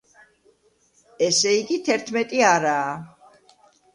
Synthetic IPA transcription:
ɛsɛiɡit̪ʰɛɾt̪ʰmɛt̪ʼiaɾaː

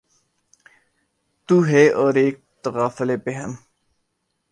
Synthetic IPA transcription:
t̪uɦɛɔːɾeːk̚t̪əɣaːfəlebeɦən

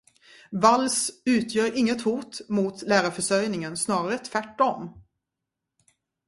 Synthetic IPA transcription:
valsʉ̟ːt̪ʰjœːɾɪŋːət̪huːt̪mʊt̪læːɾafœʂœjnɪŋənsnɑːɾaɾət̪ʰvæʈːɔm

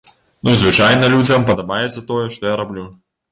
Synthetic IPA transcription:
nuzvɨt͡ʃajnɐlʲud͡zʲɐmpɐd̪ɐbajɛt̪sʲɐt̪ɔjɛʂt̪ɔjaɾablʲu

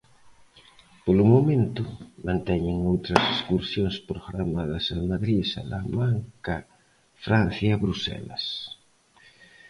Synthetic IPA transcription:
polʊmomẽnt̪ʊmãnt̪ɛɲɪŋowt̪ɾɐseskuɾsjoŋspɾoɣɾamaðɐsamaðɾisa̰lamaŋkɐ | fɾan̟θjaβɾusɛ̰lɐ̰s

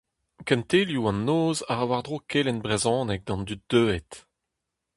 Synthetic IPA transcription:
kɛ̃nt̪eːljuɑ̃nːoːzaʁawaʁd̪ʁokʰelɛnbʁezɔ̃ːnɛk̚d̪ɑ̃nd̪yt̪̚d̪̥øːɛt

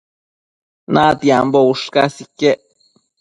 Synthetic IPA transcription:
nat̪iambouʂkasikeʔ

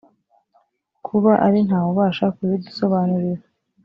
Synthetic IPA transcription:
kʰuβaʔaɾin̥aːwuβaːʃakujiduso̞βanuɾiɾe

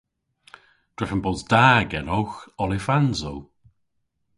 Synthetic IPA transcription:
d̥ɹɛfənbɔzdaːɡɛnɔwxɔlɪfanzow

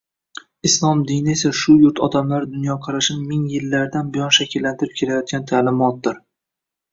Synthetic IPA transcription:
ɪslˠɒmd̪inɪesaʃʊjʊɾt̪ʰɒd̪amlaɾd̪ʊnjɒqʰɑɾaʃnɪmɪŋjɪlːaɾd̪anbɪjɒnʃakʲɪlːant̪ʰɪɾɪpkʲʰe̞lajɒt̪̚ɡʲant̪ʰaːlɪmɒt̪̚d̪ɪɾ

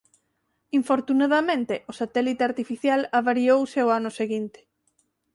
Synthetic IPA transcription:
iɱfoɾt̪unaðamẽnt̪eʔʊsat̪ɛlit̪eaɾt̪ifiθjalaβaɾiowseoanʊseɣint̪ɪ̥

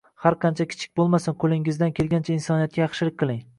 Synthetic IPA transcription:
haɾqʰɑnt͡ʃʰakʲʰɪ̥t͡ʃʰɪ̥k̚ʲbolˠmasɪnqʰolˠɪŋɪzd̪ankʲʰelɡʲant͡ʃʰainsɒnijat̪̚kʲajɑχʃɪlɪkʲqʰɨlˠɪŋ

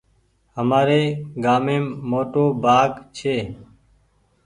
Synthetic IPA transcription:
ɦəmaːɾeːɡaːmeːmːoːʈoːbʱaːɡt͡ʃʰeː

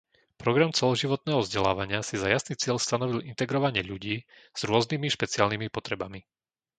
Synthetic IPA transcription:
pɾɔɡɾamt͡sɛlɔʒiʋɔt̪̚nɛːɦɔvzɟɛla̰ːʋaɲɪasizajasniːt͡sɪɛʎst̪anɔʋilint̪ɛɡɾɔʋaɲɪɛʎuɟiːz̥ɾʊɔznimiʃpɛt͡siaːlnimipɔt̪ɾɛbami

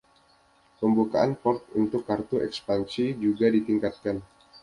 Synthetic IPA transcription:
pəmbukaʔanpɔrt̪̚unt̪ʊkːart̪uɛkspansid͡ʒuɡadit̪iŋkat̪̚kan

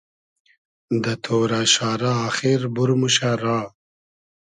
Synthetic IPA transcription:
d̪ət̪ʰoːɾaʃaːɾaːxiɾbuɾmuɕaɾɑː

